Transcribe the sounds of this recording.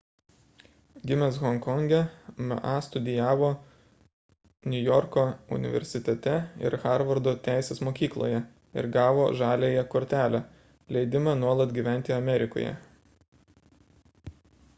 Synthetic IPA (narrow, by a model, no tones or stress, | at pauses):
ɡʲɪmʲɛsɣɔŋkɔŋʲɡʲɛmɐ̰ʔɑst̪ʊd̪ʲɪjæːʋoː | nʲʊjɔɾkoːʊ̰nʲɪ̰ʋʲɛ̰ɾʲsʲɪt̪ʲɛt̪ʲɛɪ̰ɾxɑˑɾʋɐɾd̪oːt̪ʲæˑɪsʲeːsmoːkʲiːklˠo̰ːjɛ | ɪ̰ɾɡɑːʋoːʒɑːlʲeːjɛkoːɾʲt̪ʲæːlʲæ | lʲɛɪd̪ʲɪmɑnuɔlˠɐt̪ɡʲiːʋʲæˑnʲt̪ʲɪɐmʲɛɾʲɪko̰ːjɛ̰